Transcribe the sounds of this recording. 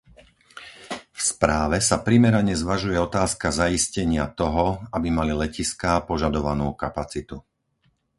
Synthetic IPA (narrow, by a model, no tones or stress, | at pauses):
fspɾaːʋɛsapɾimɛɾaɲɛzʋaʒujɛɔt̪aːskazaiscɛɲɪat̪ɔɦɔabimalilɛciskapɔʒad̪ɔʋanuːkapat͡sit̪u